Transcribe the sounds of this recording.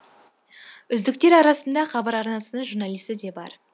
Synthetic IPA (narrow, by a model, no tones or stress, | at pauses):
ʏzd̪ɪk̚t̪e̞ɾɑɾɑsənd̪ɑχɑbɑɾɑɾnɑsənəɴʒuɾnɑlˠijst̪ɪd̪e̞bɑ̰ɾ